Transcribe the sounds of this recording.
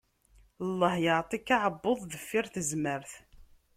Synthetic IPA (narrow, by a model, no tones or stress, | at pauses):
əlˤːɑhjəʕt̪ˤikːaʕəbːoðˤðəfːiɾθəzməɾθ